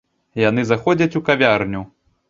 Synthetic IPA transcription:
janɨzaxɔd͡zʲɐt͡sʲukavʲarnʲu

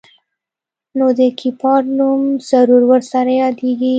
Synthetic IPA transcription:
nod̪əkʰipɑɾnumz̥aɾuɾwəɾsaɾajɑd̪eɡi

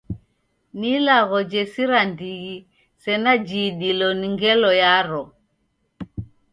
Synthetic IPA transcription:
nilaɣɔd͡ʒɛsiɾandiɣi | sɛnad͡ʒiɗilɔniŋɡɛlɔjaɾɔ

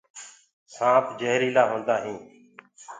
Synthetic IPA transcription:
sãːpd͡ʒeɦɾiːlaːɦõːnd̪aːɦĩː

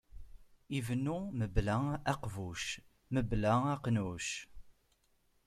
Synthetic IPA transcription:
ivənːuməblææqvuʃ | məblææqnuʃ

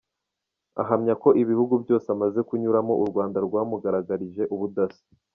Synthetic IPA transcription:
a̰ɦamɲako̞ʔiβihuɡubjo̞ːseamaze̞kuɲuɾamo̞ʔuɾɡwaːndaɾɡwaːmuɡaɾaɡaɾiʒe̞ʔuβudasi̥

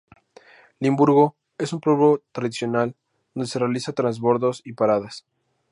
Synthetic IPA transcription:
limbuɾɣo̞ | e̞sumpɾoβot̪ɾaðisjo̞nal | d̪onesere̞alisat̪ɾanzβo̞ɾðo̞sipaɾaðas

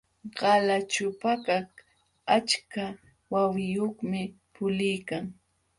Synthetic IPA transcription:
ɢ̥ɑlat͡ʃʊpakak | at͡ʃka | wawɪjoχmɪ | pʊlɪjkaŋ

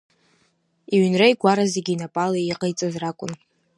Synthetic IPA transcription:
iɥnrajɡʷaɾazeɡʲinapʼalaiqʼajt͡sʼɨzrakʷʼʊn

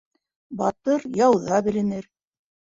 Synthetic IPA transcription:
bɑt̪ɤɾjɑwðɑbɘ̆lɘ̆nɘɾ

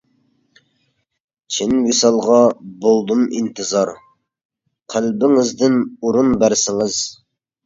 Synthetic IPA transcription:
t͡ʃʰɪnwisɑlˠʁɑbolˠd̪umḭnt̪ʰɨzɑɾ | qʰælbɪŋɪzd̪ɪnuɾunbæɾsɪŋɪz̥

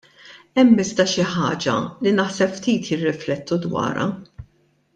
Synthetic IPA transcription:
ɛmːɪsd̪ɐʃɪħɐːd͡ʒɐ̰linɐħsɛpft̪iːt̪jɪrːɪflɛt̪ːud̪wɐ̰ːɾɐ̰

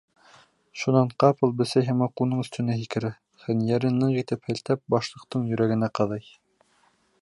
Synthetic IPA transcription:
ʃunɑɴqɑpɤlˠbɘ̆sæjɦæmɑqunɤɴɵ̆st̪ɵ̆næɦikɘ̆ɾɘ | χɘ̆njæɾɘnːɤɴqit̪ɘphɘ̆lt̪æp̚bɑʃlˠɤ̆qt̪ɤɴjɵ̆ɾæɡɘ̆næqɑðɑj

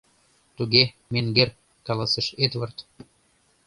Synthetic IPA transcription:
t̪uɣe | meŋɡer | kɑlɑsə̆ʃet̪βɤrt̪

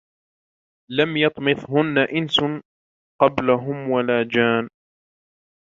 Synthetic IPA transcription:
lamjɑt̪ˤmɨθhʊnːaʔɪns | qɑblaɦʊmwalaːd͡ʒaːn

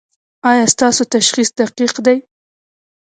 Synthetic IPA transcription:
ɑjɑst̪ɑsot̪aʃχisd̪̥aqiqd̪aj

